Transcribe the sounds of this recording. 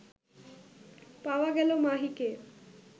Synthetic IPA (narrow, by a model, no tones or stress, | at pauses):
pawaɡɛlomaɦike